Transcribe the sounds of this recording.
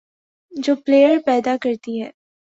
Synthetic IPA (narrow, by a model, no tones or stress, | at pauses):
d͡ʒoːpleːjəɾpɛːd̪akɐɾt̪iɦɛː